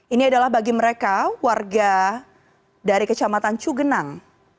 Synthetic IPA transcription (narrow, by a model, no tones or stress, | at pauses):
iniadalahbaɡiməɾekawarɡa | daɾikət͡ʃamat̪ant͡ʃuɡənaŋ